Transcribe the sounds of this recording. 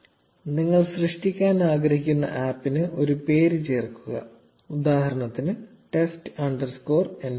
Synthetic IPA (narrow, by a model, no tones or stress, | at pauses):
niŋːɐɭɕrɨʂʈikʲːaːnaːɡɾɐhikʲːunːɐ̰ʔaːpːinɨʔo̞ɾupe̞ːɾɨt͡ɕe̞ːrkːuɣɐ̰ | ud̪aːhɐɾɐɳɐt̪ːinɨ | ʈe̞sʈɨɐɳɖɐrsko̞ːrenː